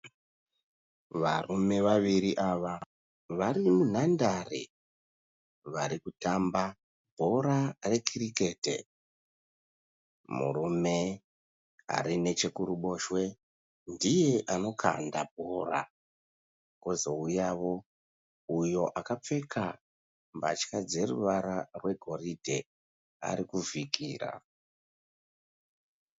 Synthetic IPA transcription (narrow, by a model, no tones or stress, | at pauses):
ʋarume̞ʋaʋiɾiʔaʋa | ʋaɾimun̤andarḛ | ʋaɾikutamba | bʱo̞ɾare̞kʰirike̞ːtḛ | mṵɾume̞ | a̰ɾine̞t͡ʃe̞kuɾuɓo̞ʃwe̞ | ndije̞ʔano̞kʰa̰ndab̚ʱora̰ | kozo̞ujaʋo̞ | ujo̞ʔakap͡fe̞kʰa | mbat͡ʃkad͡ze̞rṵʋaɾarwe̞ɡʱo̞ɾidʱe̞ | a̰ɾikuvikiːra̰